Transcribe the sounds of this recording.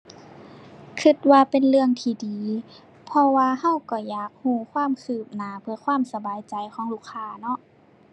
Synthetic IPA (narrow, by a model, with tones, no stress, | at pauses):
kʰɯ˧˩t̪̚waː˧pe˨nlɯ˧əŋt̪ʰiː˧˩diː˨˦ | pʰɔ˧waː˧ɦa˧˥˩wkɔ˧˩jaː˨˩k̚huː˧˩kʰwaː˧˥˨mkʰɯː˧˩p̚naː˨˩pʰɯ˧ɐkʰwaː˧˥˨msa˧baː˨˦jt͡ɕa˨jkʰɔː˨˦ŋluː˧˩kʰːaː˧nɔ˧˦ʔ